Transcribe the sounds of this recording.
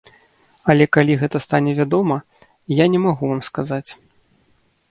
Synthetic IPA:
ɐlʲɛkalʲiɣɛt̪ɐst̪anʲɛvʲad̪ɔmɐ | janʲɛmaɣuvamskazat͡sʲ

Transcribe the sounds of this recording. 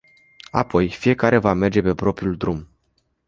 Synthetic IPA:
apʰo̞jfije̞kaɾe̞vame̞rd͡ʒe̞pe̞pɾo̞pɾiuld̪ɾum

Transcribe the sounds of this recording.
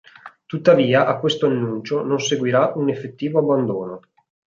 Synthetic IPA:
t̪ut̪ːaviːaʔakːwest̪oanːunt͡ʃononseɡwiɾaʔunefːet̪ːiːvoabːand̪oːno

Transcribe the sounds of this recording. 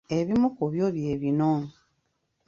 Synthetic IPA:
eβimukoβjoːβjeːβinoː

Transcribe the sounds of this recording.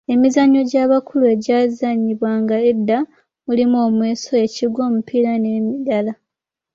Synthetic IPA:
e̞mizaɲːo̞ɟaːβakʰulue̞ɟaːzaɲiβwaːŋɡaedːa | mulimuo̞ːmwe̞ːso̞e̞ciɡwo̞ːmupʰilanemidala

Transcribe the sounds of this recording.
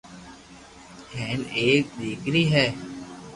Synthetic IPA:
kʰɛ̃ːneːk̚ɗ̪iːkɾiːɦɛː

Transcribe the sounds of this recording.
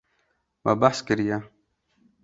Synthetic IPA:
ma̰baħskəɾja

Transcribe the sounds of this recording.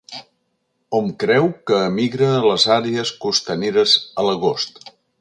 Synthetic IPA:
ɔmkɾɛwkəːmiɣɾələzaɾeəskust̪əneɾəzələɣ̞ost̪

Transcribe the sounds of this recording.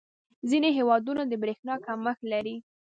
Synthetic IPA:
zineɦewɑd̪unad̪əbɾexnɑkaməxlaɾi

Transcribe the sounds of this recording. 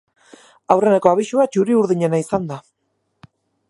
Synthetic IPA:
awre̞neko̞aβiʃuat͡ʃuɾiuɾðiɲe̞naisand̪a

